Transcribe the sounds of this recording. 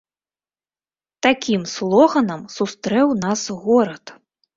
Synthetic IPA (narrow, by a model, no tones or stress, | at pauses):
t̪akʲimslˠɔɣɐnɐmsust̪ɾɛwnasɣɔɾɐt̪